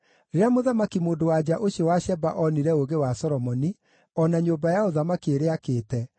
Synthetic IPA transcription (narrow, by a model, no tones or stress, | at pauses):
ɾeɾeamoðamakimoːndowad͡ʑaʔoɕjɔwaɕɛbaʔɔniɾɛoɣewasɔɾɔmɔni | ɔnaɲobajaoðamakieɾeakeːtɛ